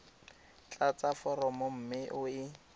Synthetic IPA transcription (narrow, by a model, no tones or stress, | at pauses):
t͡ɬʼat͡safɔɾɔmʊm̩mɪʔʊɪ